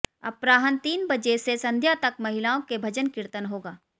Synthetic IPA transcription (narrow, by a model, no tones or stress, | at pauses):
ɐ̰pɾaːɦənt̪iːnbɐd͡ʒesesɐ̃nd̪ʱjat̪ɐkmɐɦɪlaːõkebʱɐd͡ʒənkɪɾt̪ənɦoːɡaː